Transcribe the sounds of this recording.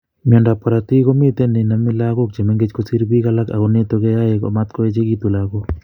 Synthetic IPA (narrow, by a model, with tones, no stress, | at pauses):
mi˨ɔ˨nda˨pɔ˨ɾa˨t̪i˦ko˦mi˦t̪e˦nɪ˨na˨mɪ˦la˦ɡo˦k̚d͡ʒe˨mɛ˦ŋɡe˦d͡ʒko˦si˦ɾbi˦ka˦la˦ka̰˨ɡɔ˨ne˦t̪o˦ke˦ja˦je˨kɔ̰˨ma˦t̪̚kɔ˦e˦t͡ʃe˦ɡi˦t̪u˨la˨ɡo˦